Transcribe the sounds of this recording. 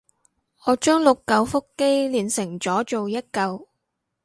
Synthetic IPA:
ɔː˨˧t͡ʃœː˥ŋlʊ˨kːɐ˧wfʊ˥kːe˥jliː˨nsɪ˨˩ŋt͡sɔː˨˥t͡ʃo˨wjɐ˥t̚kɐ˧w

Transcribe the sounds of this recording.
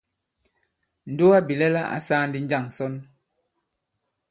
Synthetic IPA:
n̩˨do˦a˦bi˨lɛ˦la˦ʔa̰˨˦saː˦n̩˦di˦n̩˦d͡ʒa˦˨ŋ˨sɔ˦n

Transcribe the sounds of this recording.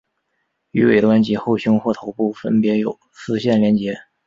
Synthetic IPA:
y˧˥wḛ˨˩ɪt̪wa˥nt͡ɕi˧˥xo˥˩ʊɕʊ˥ŋxwɔ˥˩t̪ʰo˧˥ʊpu˥˩fə˥npjɛ˧˥jo˨˩ʊsɹ̩˥˧ɕjɛ˥˩nljɛ˧˥nt͡ɕjɛ˧˥

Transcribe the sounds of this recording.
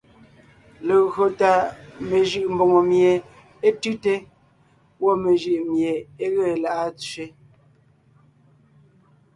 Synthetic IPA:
le˨ɣɰo˨ta˨me˨ʒɯ˨ʔm˨bo˨ŋo˨mje˨ | e˦tʉ˦te˦ | wo˦me˨ʒɯ˨ʔmje˨e˦ɣe˦˨la˨ʔa˦t͡sɥe˦

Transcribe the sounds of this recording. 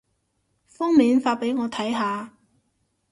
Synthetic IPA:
fɔː˥ŋmiː˨˧nfaː˧pe˨˥jŋɔː˨˧t̪ʰɐ˨˥jɦaː˨˧

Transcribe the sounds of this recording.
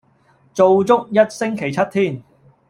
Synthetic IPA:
t͡so˨wt͡sʊ˥k̚jɐ˥t̚sɪ˥ŋkʰe˨˩jt͡sʰɐ˥t̚t̪ʰiː˥˩n

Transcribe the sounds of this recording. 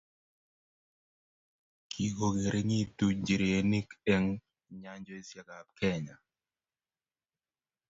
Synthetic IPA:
kʰi˨ko˨ɡe˨ɾe˦ŋi˦tu˦ɲd͡ʒi˨ɾe˨e˨ni˦ke˦ŋ | ɲa˦ɲd͡ʒo˦i˦sja˨ka˨p̚kɛ˦ɲa̰˨

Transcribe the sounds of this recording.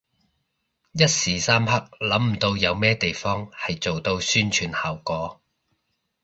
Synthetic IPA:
jɐ˥t̚siː˨˩saː˥mhɐ˥k̚lɐ˨˥mm̩˨˩t̪o˧wjɐ˨˧wmɛː˥t̪e˨jfɔː˥ŋhɐ˨jt͡so˨wt̪o˧wsyː˥nt͡ʃʰyː˧nhaː˨˩wkɔː˨˥

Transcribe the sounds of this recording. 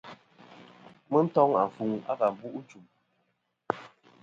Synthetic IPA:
mə˦n̩˦tɔ˦ŋa˨fu˨ŋa̰˦ɣa˨m˨bu˦ʔt͡ʃu˨m

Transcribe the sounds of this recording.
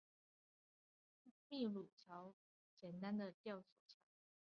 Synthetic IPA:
mi˥˧lu˨˩t͡ɕʰjɑ˨˧˦ʊ | t͡ɕjɛ˨˩nt̪a˦nd̪ə˨t̪jɑ˥˩ʊsɔ˨˩t͡ɕʰjɑ˨˦ʊɑ˨ʊ

